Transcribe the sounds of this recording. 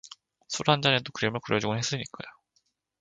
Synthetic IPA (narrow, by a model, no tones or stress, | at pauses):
sʰuɾɦand͡ʑanedokɯɾemɯɭkɯɾjʌd͡ʑuɡɯnɦes͈ɯɲik͈ajo